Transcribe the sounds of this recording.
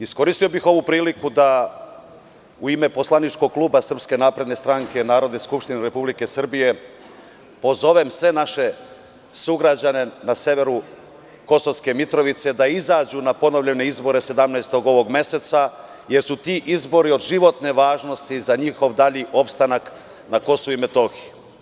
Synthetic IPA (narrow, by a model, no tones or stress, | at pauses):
isko̞ɾist̪io̞bixo̞ʋupɾiːlikud̪a | uime̞po̞slanit͡ʃko̞ɡ̚klˠuːbasr̩pske̞naːpɾe̞d̪ne̞st̪ɾaŋke̞naːɾo̞d̪neskupʃt̪ineɾe̞publike̞sr̩bije̞ | po̞zo̞ʋemsʋe̞naʃe̞ | suɡɾad͡ʑane̞nase̞ʋe̞ɾu | ko̞sovske̞mit̪ɾo̞ʋit̪se̞d̪aizaːd͡ʑunapo̞no̞ʋʎene̞izbo̞ɾe̞se̞d̪amnajst̪o̞ɡo̞ʋo̞ɡme̞se̞t̪sa | jeɾsut̪iːʔizbo̞ɾio̞d̪ʒiʋo̞t̪neʋaːʒno̞st̪izaɲixo̞ʋd̪aʎiʔo̞pst̪anak | nako̞souime̞t̪o̞xi